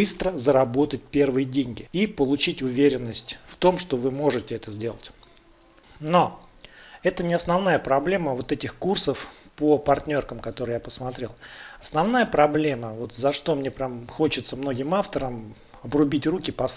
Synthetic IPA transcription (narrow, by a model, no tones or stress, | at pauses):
ɨst̪ɾəzəɾɐbo̞t̪ət̚ʲpʲe̞rvɨjədʲenʲɡʲɪipəlˠʊt͡ɕitʲʊvʲeɾʲɪnːəsʲtʲft̪o̞mʂt̪o̞vɨmo̞ʐɨtʲɪɛt̪əzʲdʲe̞lˠətʲ | no̞ | ɛt̪ənʲɪɐsnɐvn̪ajəpɾɐblʲe̞məvo̞t̪ɛtʲɪxkursəfpəpɐrtʲnʲo̞rkəmkɐt̪o̞ɾɨjapəsmɐt̪ɾʲe̞lˠɐsnɐvnajəpɾɐblʲe̞məvo̞t̪zɐʂt̪o̞mnʲe̞pɾʲamxo̞t͡ɕɪt̪səmno̞ɡʲɪmaft̪əɾəm | ɐbrʊbʲitʲrukʲɪpɐs